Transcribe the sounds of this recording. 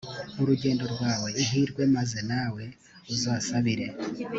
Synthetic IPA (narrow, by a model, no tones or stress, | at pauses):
uɾuɟe̞ːndo̞ɾɡwaːwe̞iɦiːɾɡwe̞maze̞naːwe̞ | uzaːsaβiɾe̞